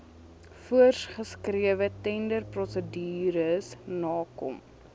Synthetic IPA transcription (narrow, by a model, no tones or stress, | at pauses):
fuərsχəskriəvətɛndərprɔsədiːɾəsnɑːkɔ̰m